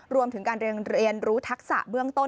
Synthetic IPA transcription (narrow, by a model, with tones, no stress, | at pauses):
ɾu˧əmt̪ʰɯ˩˦ŋkaː˧nɾi˧ənɾi˧ənɾuː˦˥t̪ʰa˦˥k̚sa̰˨˩ʔbɯ˥˩əŋt̪o˥˩